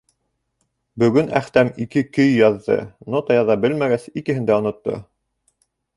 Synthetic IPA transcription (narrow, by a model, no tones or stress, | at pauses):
bɵ̆ɡɵnæ̰χt̪æmikɘkɵjːɑðːɤ̰not̪ɑjɑðɑbɘlmæɡæsikɘ̆hɘ̆nd̪æŏnŏt̪ːo̰